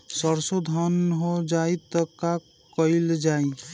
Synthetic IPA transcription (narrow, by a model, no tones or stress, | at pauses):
səɾsod̪ʱənɦod͡ʒait̪əka | kəɪld͡ʒai